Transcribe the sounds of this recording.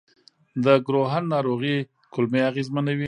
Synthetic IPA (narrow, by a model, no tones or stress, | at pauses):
d̪əɡɾoɦanːɑɾoɣi | kʊlmeaɣezmanawi